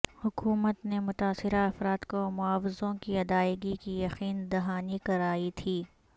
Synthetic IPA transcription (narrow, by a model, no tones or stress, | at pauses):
hʊkuːmət̪nemʊt̪aːsɪɾaɐfɾaːt̪komʊaːwɪzõkiɐd̪aːɪɡikijɐqiːnd̪ɐɦaːnikɐɾaːit̪ʰiː